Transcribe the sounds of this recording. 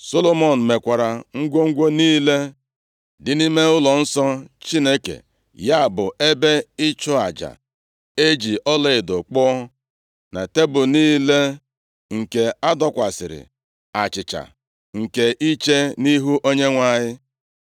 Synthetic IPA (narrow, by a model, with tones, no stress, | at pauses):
so˦lo˦mo˨n̩˨me˨kʷa˨ɾa˨ŋ̩˦ɡʷo˦ŋ̩˦ɡʷo˦niː˦le˦ | dɪ˨ni˦me˦ʊ˦lɔ˨n̩˦sɔ˦t͡ʃi˦ne˦kḛ˨ | ja˦˨bʊ˨ʔe˦be˦ɪ˦t͡ʃʊ˦a̰˨d͡ʒa̰˨ | e˦d͡ʒi˨ʔɔ˦le˨ɪ˨do˨k͡pɔ˦ | na̰˨te˦bʊ˨niː˦le˦ | ŋ̩˨ke˨a˦dɔ˦kʷa˨sɪ̰˨ɾɪ̰˨ | a˨t͡ʃɪ˨t͡ʃa̰˨ | ŋ̩˨ke˨ʔi˦t͡ʃe˦ni˦ɦu˦ʔo˦ɲe˦ŋʷa˦ɲɪ˦